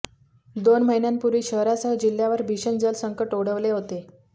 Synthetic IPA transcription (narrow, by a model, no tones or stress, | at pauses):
d̪onməɦinjampuɾʋiːɕəɦɾasəɦəd͡ʑil̤ːjaʋəɾbʱiɕənd͡zəlsəŋkəʈoɽəʋleɦot̪e